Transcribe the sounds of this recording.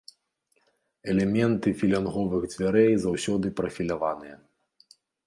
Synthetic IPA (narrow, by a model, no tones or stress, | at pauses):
ɛlʲɛmʲɛnt̪ɨfʲilʲanɣɔvɨɣd͡zʲvʲaɾɛjzawsʲɔd̪ɨpɾɐfʲilʲavanɨjɐ